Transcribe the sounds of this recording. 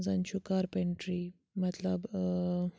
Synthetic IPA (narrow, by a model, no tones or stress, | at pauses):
zant͡ʃʰukaːɾpeɳʈɾi | mɐt̪lɐb